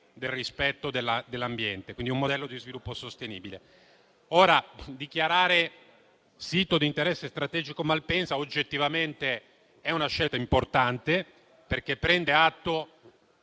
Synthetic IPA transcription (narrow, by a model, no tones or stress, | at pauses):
d̪elrispɛt̪ːod̪elːad̪elːambjɛnt̪e̥kwind̪iumːod̪ɛlːod̪izvilupːosost̪enḭːbile | oːɾad̪ikjaɾaːɾe | siːt̪od̪int̪eɾɛsːest̪ɾat̪ɛːd͡ʒikomalpɛnsaod͡ʒːet̪ːivament̪e | ɛunaʃːɛlt̪aimport̪ant̪e | perkepːɾɛnd̪eat̪ːo